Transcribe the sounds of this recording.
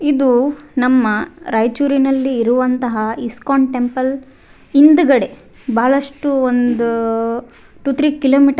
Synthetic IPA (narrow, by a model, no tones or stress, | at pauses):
id̪unɐmːɐɾɐjt͡ʃuːɾinɐlːiːɾuʋɐnt̪ɐɦɐiskaːɳʈe̞mpɐl | ind̪uɡɐɽe̞ | baːɭɐʂʈuond̪u | ʈuːt̪ʰɾiːkiloːmiːʈ